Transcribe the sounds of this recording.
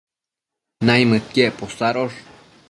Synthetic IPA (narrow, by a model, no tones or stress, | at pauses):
najmət̪̚keʔposaɾoʐ